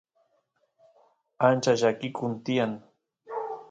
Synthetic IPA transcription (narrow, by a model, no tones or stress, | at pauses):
ant͡ʃaʒakɪkʊnt̪ɪjaŋ